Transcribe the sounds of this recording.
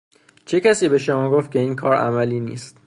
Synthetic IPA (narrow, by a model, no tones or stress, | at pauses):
t͡ʃʰe̞cæsiːbe̞ʃomɒːɡoft̪kcʰe̞iːŋkʰɒːɾæ̰mæliːnḭːst̪